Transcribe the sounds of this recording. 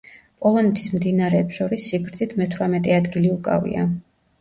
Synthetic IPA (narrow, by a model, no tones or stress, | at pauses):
pʼɔlˠɔnɛt̪ʰismd̪inaɾɛːpsʃɔɾisːiɡɾt̪sʰʼit̪ʰmɛt̪ʰvɾamɛt̪ʼɛad̪ɡiliukʼa̰vḭa̰